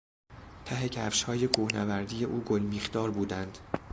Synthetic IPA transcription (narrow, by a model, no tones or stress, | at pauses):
t̪ʰæɦe̞cʰæfʃhɒːje̞kʰuːhnævæɾd̪iːje̞ʔuːɡolmiːχd̪ɒːɾbuːd̪ænd̪̥